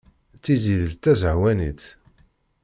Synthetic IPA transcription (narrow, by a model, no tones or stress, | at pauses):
t͡sːiziðəlt̪æzʕwænit͡s̪